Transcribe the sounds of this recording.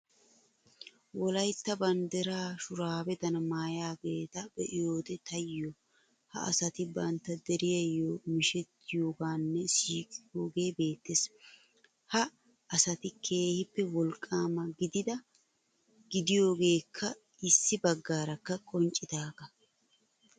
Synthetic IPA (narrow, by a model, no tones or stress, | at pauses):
wɔlɐjt̪ːɐbɐnd̪ɛɾaːʃʊɾaːbɛt̪ɐnɐmaːjaːɡe̞ːt̪ɐbɛʔɪjo̞ːd̪ɛt̪ɐjːɔ | hɐ̰ʔɐ̰sɐt̪ɪbɐnt̪ːɐd̪ɛɾɪjɐjːomɪʃɛt̪ːɪjo̞ːɡaːnːɛsiːkʼɪjoːɡe̞ːbe̞ːt̪ːes | hɐ | ɐsɐt̪ɪkʰe̞ːhɪpːɛwɔlkʼːaːmɐɡɪd̪ɪd̪ɐ | ɡ̥ɪd̪ɪjo̞ːɡe̞ːkʰːɐ | ɪsːɪbɐɡːaːɾɐkːɐkʼɔnt͡ʃʼːɪd̪aːɡɐ